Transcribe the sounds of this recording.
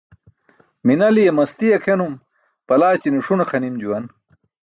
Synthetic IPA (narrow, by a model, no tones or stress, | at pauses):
minɐlijemɐst̪ijɐkʰenum | pɐlaːt͡ɕinuʂunɐxɐnimd͡ʑuwɐn